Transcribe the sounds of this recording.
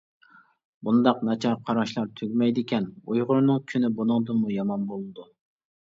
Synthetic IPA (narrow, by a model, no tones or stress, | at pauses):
bund̪ɑqnɑt͡ʃʰɑɾqʰɑɾɑʃlˠɑɾt̪ʰøɡʲmɛjd̪ɪkʲʰɛnujʁʊɾnɨŋkʲʰynɪbonɨŋd̪ɨmujɑmɑnbolˠɨd̪u